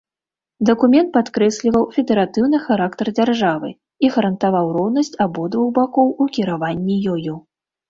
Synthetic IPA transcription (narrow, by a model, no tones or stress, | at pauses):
d̪ɐkumʲɛnt̪̚pat̪kɾɛsʲlʲivɐwfʲɛd̪ɛɾat̪ɨwnɨxaɾakt̪ɐrd͡zʲarʐavɨ̰ | iɣɐɾɐnt̪avawrɔwnɐsʲt͡sʲabɔd̪vuɣbakɔwukʲiɾavanʲːijɔjɔ